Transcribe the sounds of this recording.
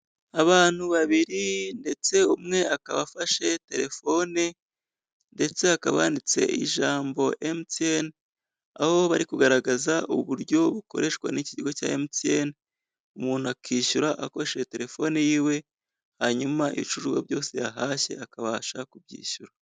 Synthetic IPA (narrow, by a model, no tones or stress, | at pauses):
aβaːn̥huβaβiɾinde̞t͡se̞umŋe̞akaβafaʃe̞te̞ɾe̞fo̞ne | nde̞t͡se̞akaβa̰ːndit͡se̞̰ʔḭʒaːmbo̞ʔemten | aho̞βaɾikuɡaɾaɡazaʔuβuɾɟo̞βuko̞̰ɾe̞ʃkwa̰niciɟiɡo̞ca̰ːemtien | umuːnuakiːʃuɾaʔako̞ɾeʃete̞ɾe̞fo̞nejiːwe̞ | haɲumaʔḭit͡ʃuʒɡwa̰bjo̞ːse̞jaɦaːʃe̞̰akaβaʃakubɟḭːʃuɾa